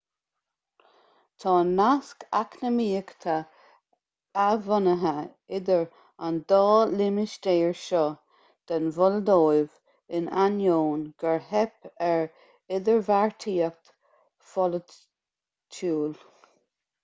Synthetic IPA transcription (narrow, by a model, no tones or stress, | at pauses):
t̪ʰɑːnaskʰa̰knəmiːəkt̪ʰa | avɔnəɦə | ɪd̪əɹ | and̪ɑːlɪmɪʃd̪eːɹʃɔ | d̪̥anvɔləd̪oːjv | ɪnʔanjoːnɡ̥əɹɦɛpɛɹ | ɪd̪əɹvaɹt̪ʰiːək̚t̪ | fɔlə | t͡ʃʰuːl